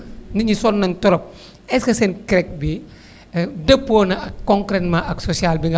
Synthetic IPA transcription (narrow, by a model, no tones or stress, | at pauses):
nɐɲisɔnːɐntɔɾɔp̚ | ɛskɐsɛnkɾɛk̚bi | dəpːoːnɐɐkːɔŋkɾɛtmaʔɐksosialbiŋɡɐ